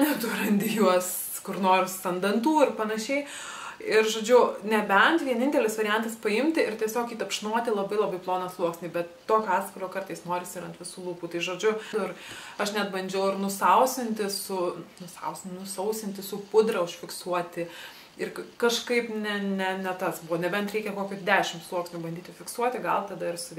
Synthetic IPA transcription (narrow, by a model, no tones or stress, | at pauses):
nʲɛt̪uɾɐnʲd̪ʲɪjuɔs | kʊrnoːɾɪsɐnd̪ɐnt̪uːɪrpɐnɐʃʲɛɪ | ɪɾʒoːd͡ʒʲʊnʲɛbʲɛnt̪ʋʲiɛnʲɪnʲt̪ʲɛlʲɪsʋɐɾʲɪjɛnt̪ɐspɐɪmʲt̪ʲɪɪrt̪ʲiɛsʲoːkiːt̪ɐpʃnuɔt̪ʲɪlˠɐbɐɪlˠɐbɐɪplˠoːnɐslˠuɔksʲnʲiːbʲɛt̪t̪oːkʲɑːt̪skʲɪɾʲoːkɐrt̪ɐɪsnoːɾʲɪsʲɪɾɐnt̪ʋʲɪsuːlˠuːpuːt̪ɐɪʒoːd͡ʒʲʊʊɪrɐʃnʲɛt̪bɐnʲd͡ʒʲɛʊɪɾnʊsɐʊsʲɪnʲt̪ʲɪsʊnʊsɐ̰ʊsʲnʊsɐʊsʲɪnʲt̪ʲɪsʊpʊd̪ɾɐʊʃʲfʲɪksuɔt̪ʲɪ | ɪrkɐʃkɐɪpnʲɛnʲɛnʲɛt̪ɐsbʊʋoːnʲɛbʲɛnt̪ɾʲɛɪkʲɛkoːkʲʊd̪ʲæːʃʲɪmslˠuɔksʲnʲubɐndʲiːtʲɪfʲɪksuɔt̪ʲɪɡɐ̰lˠt̪ɐd̪ɐɪrsʊ